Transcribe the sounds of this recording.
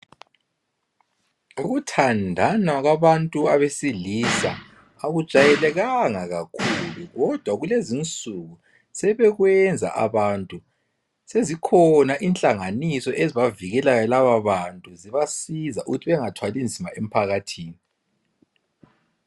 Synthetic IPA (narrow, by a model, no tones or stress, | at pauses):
uɣutʰandʱanaɣwaβantʼuaβesilisa | aɣud̥ʒ̥ʱajɛlɛɣaŋaɣakʰuluɣɔd̥ʱwaɣulezint͡sʼuɣu | sɛβɛɣwɛnd͡zʱa̰ʔa̰βantʼu | sezikʰɔnaʔint͡ɬʼaŋanisɔʔeziβaviɣɛlajɔlaβaβantʼuziβasizaʔuɣutʰiβɛŋatʰwalind͡zʱimaem̩pʰaɣatʰiːni